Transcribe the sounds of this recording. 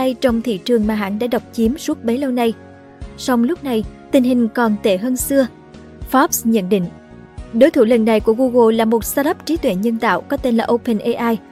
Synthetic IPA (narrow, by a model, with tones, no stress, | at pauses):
a˧jt͡ɕɔ˧wŋ͡mt̪ʰḭ˧˨t͡ɕɨ˨˩əŋmaː˨˩ɦa̰ː˧˥nɗa̰ː˧˥ɗa˨˩wk͡p̚t͡ɕi˨˦əmsu˦˥t̚ɓə˨˦jlə˧wna˧j | sɔ˧wŋ͡mlʊ˦˥k͡p̚na˨˩jt̪ï˨˩ŋ̟ɦï˨˩ŋ̟kɔ˨˩nt̪e˧˩ɦəː˧nsɨ˧ə | fɔ˦˥p̚sɲə̰˧˨nɗḭ̈˧˨ŋ̟ | ɗo˨˦jt̪ʰu˧˩lə̰˧˨nːa˨˩jku˧˩əɣu˧ɣo˧laː˨˩mo˨˩t̚saː˧ɗə˦˥p̚t͡ɕi˨˦t̪wḛ˧˩˨ɲə˧nt̪a̰ː˧˨wkɔ˨˦t̪e˧nlaː˨˩ʔo˧pə˨˩nʔe˧ʔaː˧j